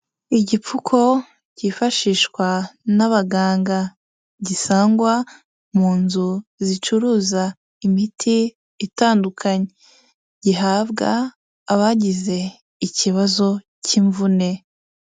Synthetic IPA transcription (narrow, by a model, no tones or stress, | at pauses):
iɟip͡fukʰo̞ | ɟ̥ifaʃiːʃkwanaβaɡaːŋɡa | ɟisaːŋɡwa | muːnzuzit͡ʃuɾuːza | imitʰiː | taːndukʰaɲe | ɟiɦaːβɡaː | βaɟize̞ | iciβazo̞ | ciɱvune̞